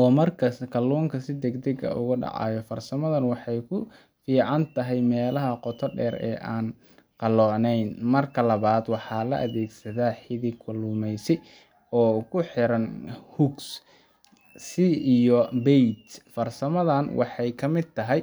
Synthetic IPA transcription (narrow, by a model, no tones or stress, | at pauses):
ɔːmɐrkʰɐskʰɐlːɔːŋkʰɐsɪd̪ɛɡd̪ɛɡɐ̰ʔʊ̰ɣʊɖɑ̰ʕɑ̰ːjɔfɐrsɐmɐðɐnwɑħɑjkʰʊ | fiːʕɑnt̪ʰɐɦɛjmɛːlɐɦɐqɔt̪ʰɔɖɛːɾɛ̰ːʔaːn | qɑlɔːnɛjnmɐrkʰɐlɐβaːd̪wɑħɑːlɐ̰ʔɐðɛːɡsɐðaːħɪðikʰʊlʊmɛjsɛ | ɔːkʰʊħɪɾɐnhʊɡs | siijɔbɛjt̪fɐrsɐmɐðɐnwʔɑ̰ħɑjkʰɐmɪd̪̚t̪ʰɐɦɛj